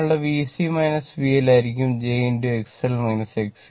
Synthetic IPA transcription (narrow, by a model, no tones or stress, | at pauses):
eʋisimɐjnɐsʋielaːjiɾikʲːumd͡ʑejnduekselmɐjnɐseks